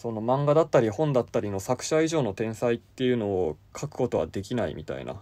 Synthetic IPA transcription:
so̞no̞mãŋɡad̪at̪ːaɾʲihõ̞nd̪at̪ːaɾʲino̞sakɯ̟̥ɕaiʑo̞ːno̞t̪ẽ̞ɰ̃sait̪ːe̞jɯ̟no̞ːkʰakɯ̟̥ko̞t̪o̞βa̰d̪e̞kʲinaḭmʲʔʲḭt̪a̰ḭna̰

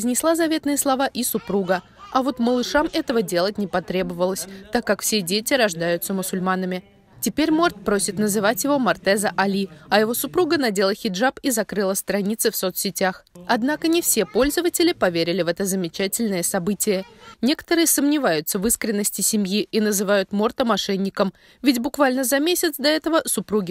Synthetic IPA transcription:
zʲnʲɪslˠazɐvʲe̞t̪nɨjəslˠɐvaʔɪsʊpɾuɡə | ɐvo̞t̪məlˠɨʂamɛt̪əvədʲe̞lˠətʲnʲɪpɐt̪ɾʲe̞bəvəlˠəsʲt̪akːakfsʲe̞dʲetʲɪɾɐʐd̪ajʊt̪səmʊsʊlʲmanəmʲɪ | tʲɪpʲeɾʲmo̞rt̪̚pɾo̞sʲɪt̪nəzɨvatʲjɪvo̞mɐrt̪ɛzəʔɐlʲiɐjɪvo̞sʊpɾuɡənɐdʲe̞lˠəxʲɪdʐapizɐkɾɨlˠəst̪ɾɐnʲit̪sɨfso̞t̪sʲɪtʲaxɐd̪nakənʲɪfsʲe̞po̞lʲzəvətʲɪlʲɪpɐvʲeɾʲɪlʲɪvɛt̪əzəmʲɪt͡ɕætʲɪlʲnəjəsɐbɨtʲɪjənʲe̞kə̥t̪əɾɨjəsəmnʲɪvajʊt̪səvɨskɾʲɪnːəsʲtʲɪsʲɪmʲjiʔinəzɨvajʊt̪mort̪əmɐʂɛnʲːɪkəm | vʲɪtʲbʊkvalʲnəzɐmʲesʲɪt̪sd̪ɐɛt̪əvəsʊpɾuɡʲɪ

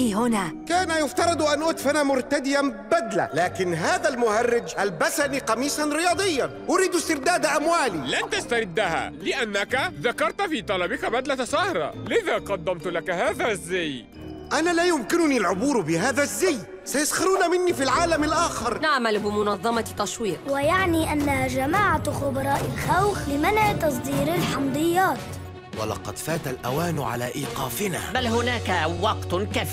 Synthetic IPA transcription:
iːhʊnakaːnajʊft̪ɑɾˤɑd̪ˤʔanʔʊːt̪fanamʊɾt̪ad̪ɪjabad̪la̰laːkɪnɦaːðalmʊhɑrːɪd͡ʒʔalbasaniqɑmiːsˤɑnɾɪjɑːd̪ˤɪjːanʔʊɾiːd̪ʊst̪ɪɾd̪aːd̪aʔamwaːlilant̪ast̪aɾɪd̪ːaha̰lɪʔanːakaðakːɑɾˤt̪fiːt̪ˤɑlɑbɪkabad̪lat̪sɑhɾˤɑ̰lɪðaːqɑd̪ːamt̪lakhaːðazːaj | ʔanalaːjʊmkɪnʊnilʕʊbuːɾbɪɦaːðazːaj | sajʊsxɪɾuːnamɪnːiːfilʕaːlamɪlʔaːxɪɾˤnaʕmalbɪmʊnɑðˤːɑmɑt̪ːɑswiːqwajaʕniːʔanːahad͡ʒamaːʕaxʊbɑɾˤɑːʔɪlxawxlɪmanʕt̪ɑs̬ˤd̪iːɾɪlħɑmd̪ˤɨjːaːt̪ | wa̰lɑ̰qɑ̰d̪faːt̪alʔa̰waːnʕa̰la̰ːʔiːqɑːfɪna̰ːbalɦʊnaːkawɑqt̪kaf

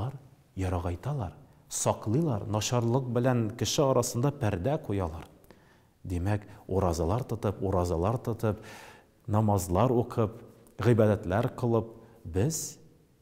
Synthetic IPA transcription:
ɑɾ | jɒɾɑʁɑjt̪ɑlˠɑɾ | sɒqlˠɤjlˠɑɾnɒɕɑɾlˠɤq̚bɘ̆læŋkɘ̆ʃɘɒɾʔɑsɤ̆nd̪ɑpæɾd̪æqujɑlˠɑɾ | d̪imækuɾɑzɑlˠɑɾt̪ŏt̪ɤpuɾɑzɑlˠɑɾt̪ŏt̪ɤp | nɒmɑzlˠɑɾuqʰɤp | ʁibɑd̪æt̪læɾqɤ̆lˠɤp̚bɘz

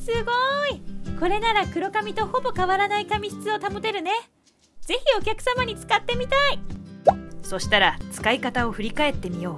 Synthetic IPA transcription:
sɨɡo̞iko̞ɾe̞naɾakɯ̟ɾo̞kamʲit̪o̞ho̞bo̞kaβaɾanaikamʲiɕi̥t͡sɨo̞t̪amot̪e̞ɾɯ̟ne̞ | ze̞çʲio̞kʲakɯ̟̥samaɲ̟it͡sɨ̥kat̪ːe̞mʲit̪ai | so̞ɕi̥t̪aɾat͡sɨ̥kaikat̪ao̞ɸɯ̟ɾʲikae̞t̪ːe̞mʲijo̞ː

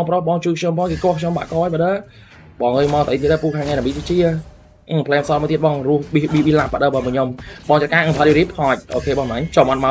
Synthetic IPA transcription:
ŋprohɓɑːŋt͡ɕuːkʰɲompʰɔːŋkeːkoəhkʰɲomɓa̰ːʔkoːjɓəɗə | ɓɑːŋɨːɲmat̪əʔəjt̪iət̪̚ɗaːpuːkʰaːŋːajnɛɓiːt̪it͡ɕiə | ʔɨŋpʰlɛːmsɑːlmɔːt̪iət̪̚ɓɑːŋrʊəhɓiɓiɓilapːə̆ɗəːɓəːməɲomɓɑːŋt͡ɕət̪̚kaːʔɨŋʰəjuɾiːpʰɑːc̚ʔoːkʰeːɓɑːŋmnaɲt͡ɕɑmʔɑn̚ma

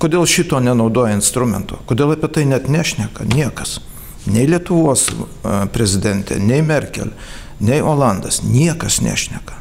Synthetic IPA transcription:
koːd̪ʲeːlˠʃʲɪt̪oːnʲɛnɐʊd̪oːjɛɪnst̪ɾʊmʲɛ̰nt̪o̰ːkoːd̪ʲeːlˠɐpʲiɛt̪ɐɪnʲɛt̪nʲæːʃʲnʲɛkɐnʲiɛkɐs | nʲɛɪlʲiɛt̪ʊʋoːs | pʲɾʲɛzʲɪd̪ʲɛnʲt̪ʲɛ̰nʲɛɪmʲɛrʲkʲɛ̰lʲ | nʲɛɪʔoːlˠɑnd̪ɐsnʲiɛkɐsnʲæ̰ːʃʲnʲɛkɐ̥

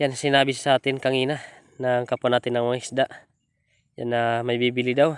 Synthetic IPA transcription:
jansinabisi̥sat̪inkaŋina | naŋkapɔnat̪inaŋmaŋisdaʔ | ja̰nːamajbibilidaw

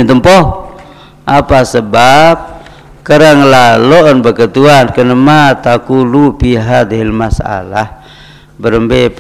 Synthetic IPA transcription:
nt̪əmpɔh | ʔapasəbap̚ | kəɾaŋlalɔʔnbəkət̪uankənəmat̪akulupiɦad̪ɦilmasa̰lah | bəɾəmbe

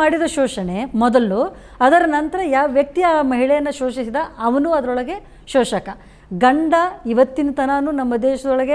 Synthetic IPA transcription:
aːɽid̪ɐʃɔːʃɐɳe̞mɔd̪ɐlu | ɐd̪ɐɾɐnɐnt̪ɐɾɐjaːʋɐʋjɐk̚t̪ijaːmɐɦiɭɛjɐnːɐʃoːʃisid̪ɐɐʋɐnuɐd̪ɐɾɔɭɐɡe̞ | ʃɔːʃɐkɐ | ɡɐɳɖɐiʋɐt̪ːinɐt̪ɐnaːnunɐmːɐd̪ɛːʃɐd̪ɔɭɐɡe

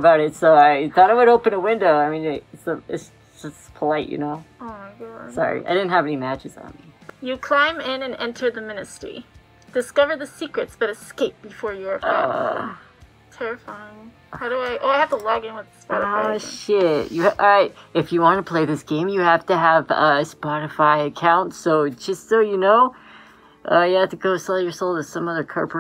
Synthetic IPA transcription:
baʊɾɨtsoʊaɪθɔɾaɪwɨɾoʊpɨ̃nəwɪ̃ndoʊaɪmĩnɪɾtsʌɪ̰ts | d̥ʒ̥ʌspʰəlaɪʔjɨ̰noʊoʊmaɪɡɑd̥sɑ̰ɹḭʔa̰ɪdɪdⁿn̩t̚ɦɨvɛnimæt͡ʃɨzn̩mijɨkʰl̥ãɪ̃mɪ̃nɨ̃nɛ̃ntʰə˞ðɨmɪ̃nɨstɹ̥ḭ | d̥ɨskʌvə˞d̪̚ðɨsikɹɨtsb̥ʌɾɨskeɪp̚b̥ɨfɔɹjəfa̰ | tʰɛɹɨfaɪɪ̃ŋ | haʊɾəaɪʔoʊaɪhæftəlɔɡɪ̃nwəðɨspɾɨfoʃɪtjɨʔɹaɪt̚ɨfjɨwɑ̃nəpʰl̥eɪðɪsɡ̥ẽɪ̃mjɨhæftɨəvʌʌspɑɾɨfaɪɨkʰãʊ̃ntsoʊ̥d͡ʒ̥ʌstsoʊjɨnoʊ | ʔʌjɨhæftɨɡoʊsɛlˠjə˞soʊlˠɨ̥sʌ̃mʌðə˞kʰɜ˞pʰ

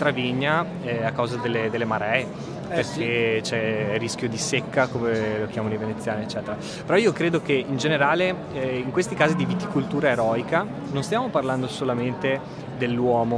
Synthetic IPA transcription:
t̪ɾaviɲːa | ɛakːawzad̪elːed̪elːemaɾɛe | erket͡ʃɛrisk̟jod̪isekːakomelok̟jaːmanoivenet̪sːjaːneːt͡ʃːɛːt̪eɾa | peɾɔiːokɾeːd̪okeind͡ʒeneɾaːle | iŋkwest̪ikaːzid̪ivit̪ikult̪uːɾaeɾɔːika | nõnst̪jaːmoparland̪osolament̪e | d̪elːwɔːmo

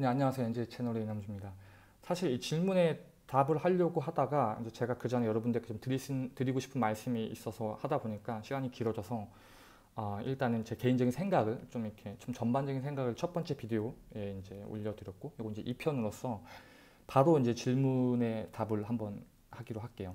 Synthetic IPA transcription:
ɲeaɲːʌwasʰeoind͡ʑe̞t͡ɕʰe̞noɾeinɦamd͡ʑumɲida | sʰaɕʰiɾit͡ɕiɭmune̞ | tabɯɭhaʎːʌɡoɦadaɡaḭnd͡ʑe̞t͡ɕe̞ɡakɯd͡ʑanejʌɾʌbundɯekʰet͡ɕomtɯɾitɯɾiɡoɕʰi̥pʰɯnmaɭs͈ɯmiḭs͈ʌsʰʌhadaboɲik͈aɕʰiɡaɲikiɾʌd͡ʑʌsʰʌ | ʌiɭt͈anɯnt͡ɕe̞ke̞ind͡ʑʌɡinsʰeŋɡaɡɯɭt͡ɕomikʰe̞t͡ɕomt͡ɕʌnband͡ʑʌɡinsʰe̞ŋɡaɡɯɭt͡ɕʰʌt̚p͈ʌnt͡ɕ͈e̞pide̞oe̞ind͡ʑe̞o̰ʎːʌdɯɾjʌt̚k͈okɾiɡoind͡ʑe̞ʔipʰjʌnɯɾos͈ʌ | paɾoind͡ʑe̞t͡ɕiɭmune̞tabɯɭɦambʌn | haɡiɾoɦak͈e̞jo

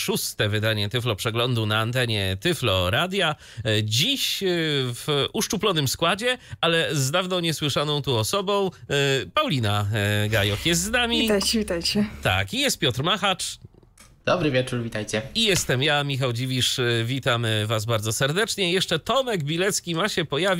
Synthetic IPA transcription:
ʂust̪ɛvɘd̪aɲɛt̪ɘflɔpʂɛɡlɔnd̪unaːnt̪ɛɲɛt̪ɘflɔ̰ɾad̪ʲja | d͡ʑiɕ | vʔuʂt͡ʂuplɔnɘmskwad͡ʑɛalɛzd̪avnɔ̃w̃ɲɛswɘʂanɔ̃w̃t̪uɔsɔbɔ̃w̃pawlʲinaɡajɔkjɛst̪znamʲit̪ajt͡ɕɛvʲit̪ajt͡ɕɛt̪a̰kijɛst̪̚pʲjɔt̪ɾmaxat͡ʂ | d̪̥ɔbɾɘvʲɛt͡ʂuɾvʲit̪ajt͡ɕɛijɛst̪ɛmjamʲixawd͡ʑivʲiʂvʲit̪amvazbaɾd̪zɔsɛɾd̪ɛt͡ʂɲɛjɛʂt͡ʂɛt̪ɔmɛɡbʲilɛt̪skʲimaɕɛpɔjavʲ

